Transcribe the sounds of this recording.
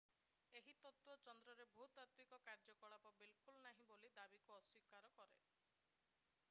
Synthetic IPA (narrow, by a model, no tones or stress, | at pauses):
eɦit̪ɔt̪wɔt͡ʃɔnd̪ɾɔɾebʱut̪at̪mikɔkaɾd͡ʒɔkɔɭapɔbilkulnaɦĩbolid̪abikuɔswikaɾɔkɔɾe